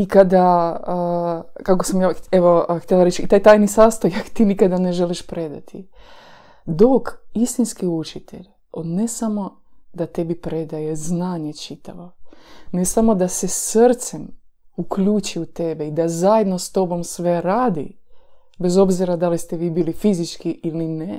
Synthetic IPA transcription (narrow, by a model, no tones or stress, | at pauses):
ikad̪aəkako̞samjaeʋoxt̪ʲelaɾet͡ʃit̪aːjt̪aːjnisaːst̪ojakt̪iːnikad̪aneʒeliʃpɾe̞d̪a̰t̪ʰi | d̪o̞kist̪inskiut͡ʃit̪ʰḛʎ | od̪ne̞samo̞ | d̪at̪e̞bipɾe̞d̪aje̞znaːɲet͡ʃit̪ʰaʋo̞nesamo̞d̪asesɾt̪semukʎut͡ʃiut̪e̞beid̪azajed̪no̞st̪o̞bo̞msʋe̞ɾaːd̪ḭbe̞zo̞bziɾad̪alist̪eʋiːbiːlifizit͡ʃkiʔiline